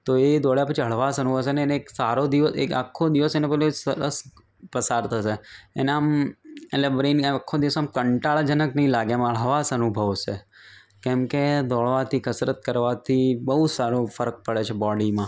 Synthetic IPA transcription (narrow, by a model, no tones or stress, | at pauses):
t̪oed̪ɔɭjapət͡ʃʰiɦəɭ̤ʋasənubʱəs̬eneːneːksaɾod̪iʋəsḛka̰kʰːod̪iʋəsenepəloesəɾəs | pəsaɾt̪ʰəseḛneameʈlebɾenakʰːod̪iʋəsamkəɳʈaɭd͡ʒənəknəĩlaɡjamɦəɭ̤ʋasənubʱəʋsḛ | kɛ̃mked̪ɔɭʋat̪ʰikəsɾət̪̚kəɾʋat̪ʰibəɦusaɾofəɾək̚pəɭet͡ʃʰebɔɽimã